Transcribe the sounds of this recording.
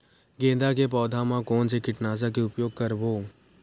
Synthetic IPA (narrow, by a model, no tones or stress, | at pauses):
ɡẽːd̪ak̬epɔːd̪ʱamãkɔːnsekɪʈnaːzak̬eʊpjoːɡ̚kɐɾboː